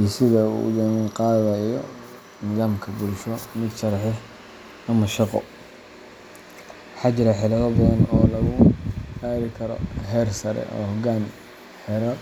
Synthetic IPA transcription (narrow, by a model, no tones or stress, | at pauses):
isɪðɐṵd̪ɛmɪqɑːðɐjɔ | nɪðaːmkʰɐbʊlʃɔmɪd̪ʃɐɾħɪ | nɐmɐʃɑqɔ̰ | ħɑt͡ʃɪɾɐħɪlɐðɔbɐðɐnɔːlɐɣʊaːɾɪkʰɐɾɔ̰ɦɛrsɐɾɛ̰ʔɔ̰ːhɔɡaːn | ħɛɾɔ